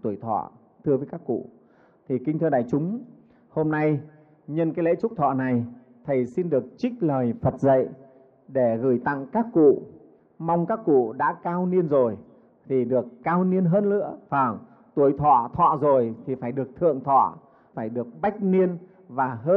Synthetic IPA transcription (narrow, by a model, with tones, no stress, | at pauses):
t̪u˧˩əjt̪ʰɔ̰˧˨ | t̪ʰɨ˧əvəː˨˦jkaː˦˥kːṵ˧˨ | t̪ʰi˨˩kï˧ŋt̪ʰɨ˧ɗa̰ː˧˨jt͡ɕʊ˨˦ŋ͡m | ho˧mna˧j | ɲə˧nkaː˨˦jlḛ˧˥t͡ɕʊ˦˥k͡p̚t̪ʰɔ̰˧˨na˨˩j | t̪ʰə˨˩jsi˧nɗɨ˨˩ək̚t͡ɕï˦˥k̟̚ləː˨˩jfə˨˩t̚zə̰˧˨j | ɗe˧˩ɣɨ˧˩jt̪a̰˧˨ŋkaː˦˥kːṵ˧˨ | ma˧wŋ͡mkaː˦˥kːṵ˧˨ɗa̰ː˧˥kaː˧wni˧ənzo˨˩j | t̪ʰi˨˩ɗɨ˨˩əkːaː˧wni˧ənɦəː˧nlɨ̰˧˥əvaː˨˩ŋ | t̪u˨˩əjt̪ʰɔ̰˧˨t̪ʰwɔ̰˧˨zo˨˩jt̪ʰi˨˩faː˧˩jɗɨ˨˩ək̚t̪ʰɨ̰˧˨əŋt̪ʰɔ̰˧˨ | faː˧˩jɗɨ˨˩ək̚ɓa˦˥jk̟̚ni˧ən | vaː˨˩ɦəː˧